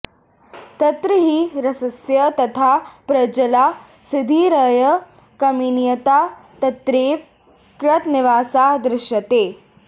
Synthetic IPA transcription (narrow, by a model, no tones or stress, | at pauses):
t̪ɐt̪ɾəɦiɾɐsɐsjɐt̪ɐt̪ʰapɾɐd͡ʒɐlaː | sɪd̪ʱiɾɐjə | kɐminjɐt̪aːt̪ɐt̪ɾeːʋ | kɾɐt̪nɪʋaːsad̪ɾɪʃjɐt̪eː